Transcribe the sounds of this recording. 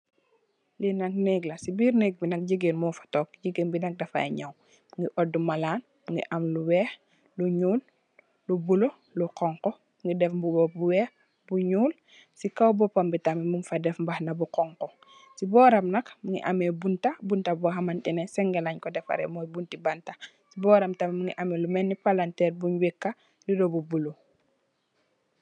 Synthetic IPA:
linɐk̚nɛɡlɐsibiːɾnɛɡ̚binɐk̚ɟiɡenmɔːfɐ̥tɔk̚ɟiɡenbinɐk̚dɛfɐ̰ḛɲɐw | buŋɡiʔɔdːumɐlaːn | buŋɡḭʔɐmluwɛːx | luɲuːlː | ubulo | luqɔŋkɔ | muŋɡidɛfbubɔbuwɛːx | buɲuːl | sikawbɔpɐmbitamimunfɐdɛfmbɐhnɐbuqɔŋkɔ | sibɔːɾɐmnɐkmuŋɡḭʔɐmɛbuntɐbuntɐbɔɐmɐnɗinɛsɛŋɡɛlɐɲkɔdɛfɐ̰ɾɛ̰mɔːjbuntibanta | sibɔːɾɐmtɐmmuŋɡiʔɐmɛlumɛnːipalantɛːɾbuɲwikːa | lidobubulo

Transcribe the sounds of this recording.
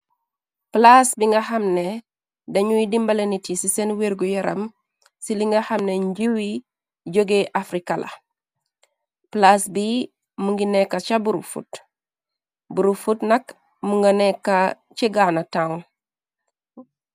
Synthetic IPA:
plasbiŋɡahɐmne | dɐɲuwidimbalenitisisenweɾɡojaɾɐ̰m | siliŋɡahamneɲɟiwi | ɟoɡeʔafɾikalʔa̰ | plasbi | muŋɡinekːat͡ʃabuɾufṵt | buɾufutnɐk | muŋɡanekːa | t͡ʃeɡanataun

